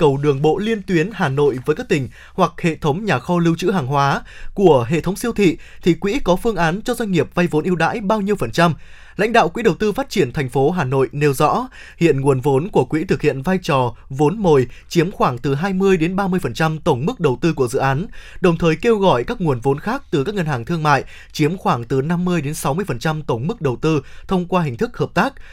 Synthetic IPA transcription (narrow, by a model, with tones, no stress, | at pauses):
kə˨˩wɗɨ˨˩əŋɓo̰˧˨li˧ənt̪wi˨˦ənhaː˨˩no̰˧˨jvəː˨˦jkaː˦˥k̚t̪ï˧˩ŋ̟ | hwa˨˩k̚hḛ˧˨t̪ʰə˨˦wŋ͡mɲaː˨˩xɔ˧lɨ˧wt͡ɕɨ̰˧˥ɦaː˨˩ŋɦwaː˨˦ku˧˩əɦḛ˧˨t̪ʰə˨˦wŋ͡msi˧əwt̪ʰḭ˧˨t̪ʰi˨˩kwḭ˧˥kɔ˨˦fɨ˧əŋʔaː˨˦nt͡ɕɔ˧zwa˧jŋ̟ŋi˨˩əp̚va˧jvo˨˦nʔi˧əwɗa̰ː˧˥jɓaː˧wɲi˧əwfə˨˩nt͡ɕa˧m | la̰˧˥jŋ̟ɗa̰ː˧˨wkwḭ˧˥ɗə˨˩wt̪ɨ˧faː˦˥t̚t͡ɕi˧˩ənt̪ʰɛ˨˩jŋ̟fo˨˦ɦaː˨˩no̰˧˨jne˨˦wzɔ̰˧˥ | hḭ˧˨ənŋu˨˩ənvo˨˦nku˧˩əkwḭ˧˥t̪ʰɨ˨˩k̚hḭ˧˨ənvaː˧jt͡ɕɔ˨˩vo˨˦nmo˨˩jt͡ɕi˨˦əmxwaː˧˩ŋt̪ɨ˨˩ɦaː˧jmɨ˧əjɗe˨˦nɓaː˧mɨ˧əjfə˨˩nt͡ɕa˧mt̪ə˧˩wŋ͡mm˦˥k̚ɗə˨˩wt̪ɨ˧ku˧˩əzɨ̰˧˨ʔaː˨˦nɗə˨˩wŋ͡mt̪ʰəː˨˩jke˧wɣɔ̰˧˨jkaː˦˥k̚ŋu˨˩ənvo˨˦nxaː˦˥k̚t̪ɨ˨˩kaː˦˥k̚ŋə˧nhɦaː˨˩ŋt̪ʰɨ˧əŋma̰ː˧˨j | t͡ɕi˨˦əmxwaː˧˩ŋt̪ɨ˨˩na˧mːɨ˧əjɗe˨˦nsa˨˦wmɨ˧əjfə˨˩nt͡ɕa˧mt̪ə˧˩wŋ͡mmɨ˦˥k̚ɗə˨˩wt̪ɨ˧t̪ʰə˧wŋ͡mkwaː˧ɦï˨˩ŋ̟t̪ʰɨ˦˥k̚həː˨˩p̚t̪aː˦˥k̚